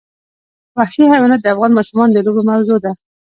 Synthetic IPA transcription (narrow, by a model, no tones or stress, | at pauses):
bahʃiɦawinat̪̚d̪əafɣɑnmɑʃumɑnd̪əlobemawzod̪a